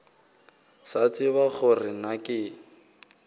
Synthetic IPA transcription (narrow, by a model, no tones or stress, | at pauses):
sat͡sʼɪβaɣʊrɪnakʼɪ